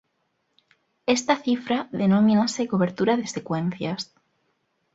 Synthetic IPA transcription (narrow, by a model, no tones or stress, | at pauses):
est̪aθifɾaðenomĩnasekoβ̞e̞ɾt̪uɾaðesekwẽn̟θjas